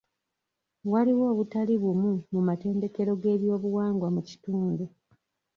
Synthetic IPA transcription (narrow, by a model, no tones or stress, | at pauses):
waliwo̞ːβutaliβumumumate̞ːnde̞ke̞ɾo̞ɡe̞ːβjo̞ːβuwaːŋɡwamuci̥tuːndu